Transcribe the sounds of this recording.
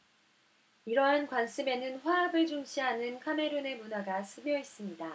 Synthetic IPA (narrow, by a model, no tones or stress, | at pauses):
iɾʌɦankwansʰɯme̞nɯnɸwaabɯɭd͡ʑuŋɕ͈ʰiɦanɯnkʰame̞ɾone̞munaɡasʰɯmjʌis͈ɯmɲida